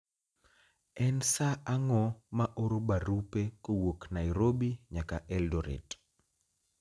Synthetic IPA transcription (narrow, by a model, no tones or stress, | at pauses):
ɛnsaaŋɔmaʔoɾobaɾupekowoknajɾobiɲakaʔɛldoɾḛt